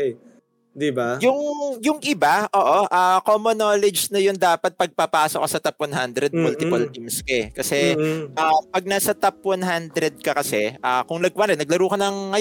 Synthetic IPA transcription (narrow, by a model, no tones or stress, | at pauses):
d̪ibajʊŋjʊŋʔɪbaʔoːʔoʔakomonoːlɛd͡ʒnɐjʊnd̪aːpɐt̪̚pɐɡ̚pɐpaːsokɐsɐt̪ɐpwɐnɦand̪ɾɛd̪̚mʊlt̪ɪpɐlɪmskɛkɐsɛʔaːpɐɡ̚nasɐt̪ɐp̚wɐnɦand̪ɾɛd̪̚kɐkɐsɛʔaːkʊŋlɐɡ̚wɐnɛnɐɡ̚lɐɾuːkɐnɐŋːɐj